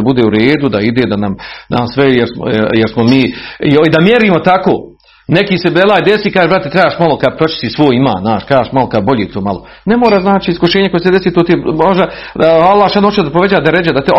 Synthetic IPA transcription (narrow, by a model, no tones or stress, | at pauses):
bud̪eːuɾeːd̪ud̪aid̪eːd̪anamd̪asʋɛjeɾsmo̰jeɾsmomiːoid̪amjeɾiːmo̞t̪akoː | nekiːsebelaːjd̪esiːkaːʒebɾat̪et̪ɾajaːʃmalˠokapɾot͡ʃi̥st̪iːsʋoːjima̰ːznaːʃkajaʃmalokad̪bo̞ʎeːt̪oːmalo | nemoːɾaːznaːt͡ʃiiskoʃeːɲeko̞jesed̪e̞siːt̪oːt̪ijemoʒd̪a | alˠːaːhʃanot͡ʃeod̪apoʋe̞d͡ʑaːd̪aɾed͡ʑad̪at̪